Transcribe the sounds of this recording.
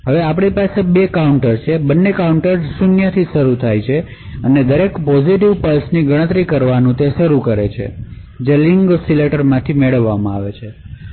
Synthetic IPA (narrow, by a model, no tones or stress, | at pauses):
ɦəʋeapɳ̃ipasebekauɳʈəɾt͡ʃʰebənːekauɳʈəɾsunjət̪ʰiʃəɾut̪ʰajt͡ʃʰe | əned̪əɾekpɔd͡ʒiʈiʋpəlsniɡəɽ̃ət̪ɾikəɾʋanũt̪eʃəɾukəɾet͡ʃʰḛ | d͡ʒeliŋɡsileʈəɾmãt̪ʰimeɭəʋːamãaʋet͡ʃʰe